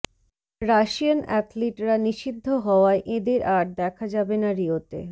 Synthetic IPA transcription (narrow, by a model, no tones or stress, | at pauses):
ɾaʃianɛ̰t̪liʈɾaniʃid̪ʱːoɦɔoaeʔed̪eɾʔaʈ̚d̪ɛkʰad͡ʑabenaɾiot̪ḛ